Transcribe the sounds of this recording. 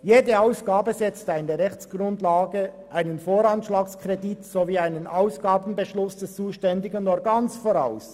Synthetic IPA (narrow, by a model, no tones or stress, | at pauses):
jeːdəaʊsɡ̥aːbəzɛt͡stəaɪndeːɐʁɛçt͡sɡ̥ʁʊndlaːɡəʔaɪnənfoːɾɑnʃlaːkskʁ̥editsoviːaɪnənʔaʊsɡ̥aːbn̩bəʃlʊsd̥ɛst͡suːʃtɛndɪɡənɔɡansfoʁaʊs